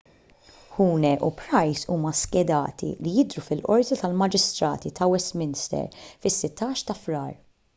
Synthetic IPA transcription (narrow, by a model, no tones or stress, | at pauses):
huːnɛʔupɾɐjsuːmɐskɛd̪ɐːt̪ḭlijɪd̪ɾufɪlʔɔɾt̪it̪ɐlmɐd͡ʒɪst̪ɾɐ̰ːt̪it̪ʰɐwɛst̪mɪnst̪ɛ̰ɾfɪsːɪt̪ːɐːʃt̪ɐfɾɐːɾ